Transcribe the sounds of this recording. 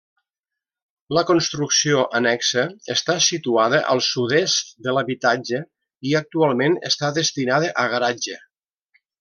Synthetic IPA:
ləkonst̪ɾuksioʔənɛksəːst̪asit̪uaðəʔə̰lˠsuðest̪d̪ələβit̪ad͡ʒə | iək̚t̪ualˠmenə̰st̪aðəst̪inaðəʔəɣəɾad͡ʒə

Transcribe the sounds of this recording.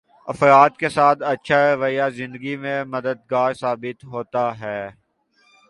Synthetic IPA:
ɐfɾaːt̪kesaːt̪ʰɐtːʃʰaɾɐʋəjazɪ̃nd̪əɡimẽmɐd̪əd̪̚ɡaːɾsaːbɪt̪ɦoːt̪aɦɛː

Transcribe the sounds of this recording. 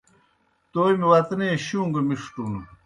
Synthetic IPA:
t̪ojmewɐt̪neɕuːŋɡɐmiʂʈunu

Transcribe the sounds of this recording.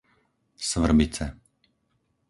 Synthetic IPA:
sʋr̩bit͡sɛ

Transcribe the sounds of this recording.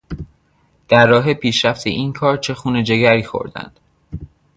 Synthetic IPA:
d̪̥æɾːɒːɦepʰiːʃɾæft̪ʰḛʔiːnkʰɒːɾt͡ʃʰe̞xuːne̞d͡ʒe̞ɡæɾiːxo̰ɾd̪æ̰nd̪̥

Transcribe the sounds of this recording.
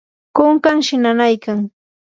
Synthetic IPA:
kʊŋkaŋʃɪnanajkaŋ

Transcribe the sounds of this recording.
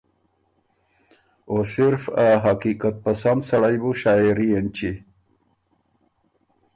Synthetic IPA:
osiɾfaɦakikat̪̚pasand̪saɽajbuʃaːiɾient͡ʃi

